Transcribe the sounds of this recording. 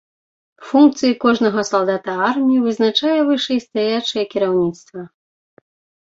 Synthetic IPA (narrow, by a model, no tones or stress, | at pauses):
funk̚t̪sɨjikɔʐnɐɣɐsalˠd̪at̪ɐarmʲijivɨznat͡ʂajɛvɨʂɛjst̪ajat͡ʂɐjɛkʲiɾawnʲit̪st̪vɐ